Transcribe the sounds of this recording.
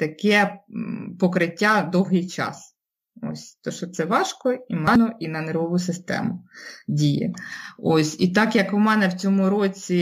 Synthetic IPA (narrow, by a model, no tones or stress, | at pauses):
t̪ɐkɛ | pɔkɾɪtʲːad̪ɔwɦɪjt͡ʃɑ̰s | o̰sʲt̪ɔʃɔt̪sɛʋɑʃkɔimɑnɔʔinɐnerɦɔʋʊsɪst̪ɛ̰mʊdʲijɛ̰osʲit̪ɑkjɐkʊmɛnɛwt͡sʲɔmʊɾot͡sʲi